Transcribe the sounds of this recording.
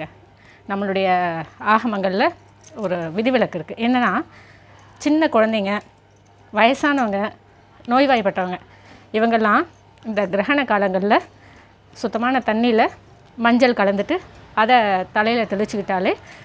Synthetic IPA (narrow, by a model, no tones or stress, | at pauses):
ɐ | nɐmːɐɭɯɽɐjɐaːɣɐmɐŋɡɐɭɪlɐ | ɔɾɯʋɪðɪʋɪɭɐkːɪɾɯkːɯʔɛnːɐnːaː | t͡ʃɪnːɐkʊɻɐnd̪eŋɡɐ | ʋɐjɐsaːnɐʋɐŋɡɐ | noːjʋaːjpːɐʈːɐʋɐŋɡɐ | ɪʋɐŋɡɐlːãː | ɪnd̪ɐɡɪɾɐɦɐnɐkːaːlɐŋɡɐɭɪlɐ | sʊt̪ːɐmaːnɐt̪ɐnːilɐ | mɐɲd͡ʒɐlkɐɭɐnd̪ɯʈːɯɐðɐt̪ɐlɐɪjɪlɐt̪ɛlɯt͡ʃːɯkɪʈːaːleː